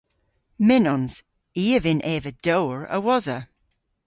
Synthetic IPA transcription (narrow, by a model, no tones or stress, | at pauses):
mɪnɔnz̥ | iːəvɪnʔɛːvəd̥oːɹə̰wɔzə